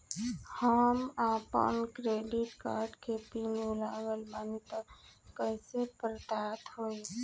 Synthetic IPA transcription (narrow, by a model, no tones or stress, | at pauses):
həmapə̰nkɾeɖiʈka̰ɾɖkʰepinbolaʋəlbanit̪əkəjsepɾət̪at̪ɦoj